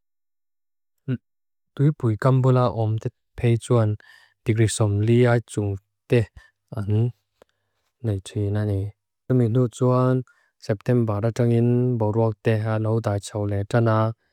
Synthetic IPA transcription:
t̪ujpujkambulaʔɔmt̪ɛ | pʰejt͡suan | d̥̪ikɾisɔmliajt͡suŋ | t̪ɛ | an | ejtʰinani | min̥ut͡suan | sɛp̚t̪ɛmbaɾaʈ͡ʂaŋinbɔwɾuak̚t̪ɛanɔwd̪ajt͡sʰɔwlɛtana

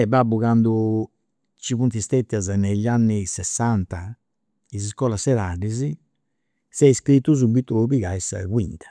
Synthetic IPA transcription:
ɛbabːuɣand̪u | t͡ʃiβunt̪ist̪et̪ːjazaneʎːanːisɛsːant̪a | iziskɔlasɛðaɖizi | sɛiskɾit̪ːuzubit̪ːuβiɣaɛsa̰ɣwḭnt̪ʰḁ

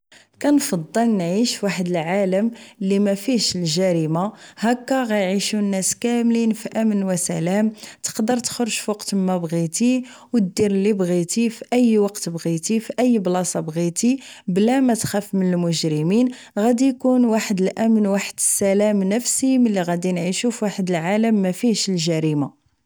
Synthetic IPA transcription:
kænfɑd̪ˤːəlnʕiʃwaħəd̪əlʕaləmlːimæfiʃəlʒæɾimahækːæɣæjʕiʃunːæskæmlinfiʔæmənwæsælæmt̪ə̥qd̪əɾˤt̪xəɾʒfɑqt̪əmːæbɣit̪i | wt̪̚d̪iɾəlːibɣit̪ifiʔəjːwɑqt̪bɣit̪ifiʔəjːblɑsɑbɣit̪iblæmæt̪xæfmənəlmʊʒɾəmin | ɣæd̪ijkunwaħəd̪əlʔæmənwaħəd̪əsːælæmnəfsiməlːiɣæd̪inʕiʃufwaħəd̪əlʕaləmːæfiʃəlʒæɾima

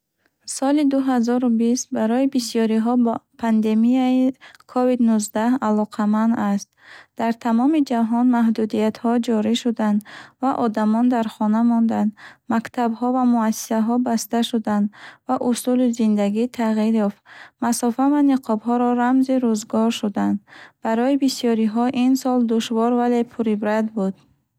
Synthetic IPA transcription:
sɔlid̪uɦazɔɾubist̪̚baɾɔibisijɔɾiɦɔpʰand̪e̞mijaikʰɔvid̪nuzd̪ahalɔqʰamand̪ast̪̚d̪̥aɾt̪ʰamɔmid͡ʒaɦɔnmaɦd̪ud̪ijat̪hɔd͡ʒɔɾiʃud̪and̪vaʔɔd̪amɔnd̪aɾχɔnamɔnd̪and̪makt̪ʰabhɔvamuasi̥saɦɔbast̪aʃud̪and̪vaʔusulizind̪aɡit̪ʰaʁiɾjɔft̪masɔfavaniqʰɔbɦɔɾɔɾamziɾuzɡɔɾʃud̪and̪b̥aɾɔibisijɔɾiɦɔʔinsɔld̪uʃvɔɾvale̞pʰuɾibɾad̪bud̪̥

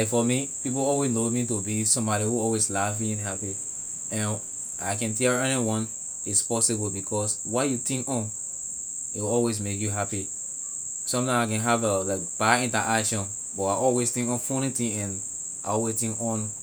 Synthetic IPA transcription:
lakfɔmipip̬oɔlwesnomĩtobisɔ̃mbɔɾihuɔlwezlafĩnhɦapi | ɛ̃n | aɪkɛ̃ntɛɛniwɔ̃n | ispɔsibɔlbikʰɔs | wajutĩŋkɔ̃n | iɔlwezmekjuɦapi | sɔ̃mtãaɪkɛ̃nɦavəlaɪkb̥aĩntaʔakʃɔ̃n | bɔaʔɔlwestĩŋkɔ̃nfɔnitĩɛ̃n | aɔwetĩŋkɔ̃n

